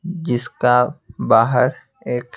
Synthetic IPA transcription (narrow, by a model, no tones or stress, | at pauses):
d͡ʒɪskabaːɦəɾ | eːk